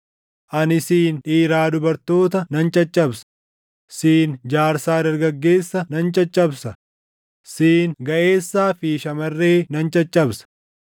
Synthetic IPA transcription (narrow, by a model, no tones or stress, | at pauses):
ʔɐnɪsiːnᶑiːɾaːd̪ʊbɐɾt̪o̞ːt̪ɐnɐnt͡ʃʼɐt͡ʃʼːɐbsɐ̥ | siːnd͡ʒaːɾsaːdɐɾɡɐɡːe̞ːsːɐnɐnt͡ʃʼɐt͡ʃʼːɐbsɐ | siːnɡɐʔe̞ːsːaːfiːʃɐmɐrːe̞ːnɐnt͡ʃʼɐt͡ʃʼːɐbsɐ̥